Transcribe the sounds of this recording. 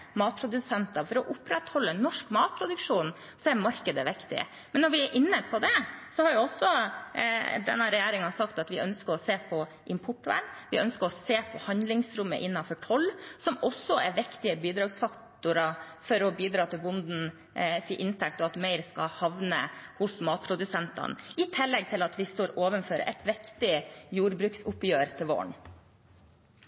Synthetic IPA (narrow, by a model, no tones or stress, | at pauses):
mɑːt̪̚pʰɾʊd̪ʉsɛnt̪ɑfɔɾɔʔʊpɾɛt̪hɔlːənːɔʂkmɑːt̪̚pʰɾʊd̪ʉkʂuːn | sɔɛɾmɑɾkəd̪əʋɪkt̪ɪ̰ə̰ | mɛnːɔɾʋɪɛɾʔɪnːəpʰɔd̪ɛsɔhɑɾjʊɔsːɔ | d̪ɛ̰nːɑɾɛjeːɾɪŋɑsɑkt̪ɑt̪ʋɪʔœnskəɾɔseːpʰɔ | ʔɪmpʰʊʈːæ̰nʋɪ̰œnskəɾɔseːpʰɔhɑnd̪lɪŋsɾʉmːə̰ʔɪnːɑnfɔʈʰɔlːsɔmɔsːɔʔɛɾʋɪkt̪ɪəbiːd̪ɾɑːɡsfɑktt̪ʊɾɑ | fɔɾɔbiːd̪ɾɑːt̪ʰɪlbʊnd̪n̩ | siːʔɪnt̪ʰɛk̚t̪ɔɑt̪mæɪɾskɑ̰hɑʋnə̰hʊsmɑːt̪̚pʰɾʊd̪ʉsɛnt̪ɑ̰nɪt̪ʰɪlːɛɡ̚t̪ʰɪlɑt̪ʋɪst̪oːɾoːʋənføːɾə̰ʔɛ̰t̪ʋɪkt̪ɪjuːɾbɾʉːksʊpjøːɾt̪ʰɪlʋo̰ːɳ